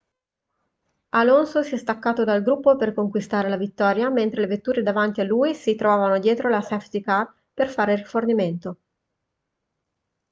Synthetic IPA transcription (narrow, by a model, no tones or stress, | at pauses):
alonsosiɛst̪akːaːt̪od̪alɡɾupːoperkoŋkwist̪aːɾelavit̪ːɔːɾjament̪ɾelevet̪ːuːɾed̪avant̪ialːuːisit̪ɾovaːvanod̪jɛːt̪ɾolasɛft̪ika | perfaːɾeriforniment̪o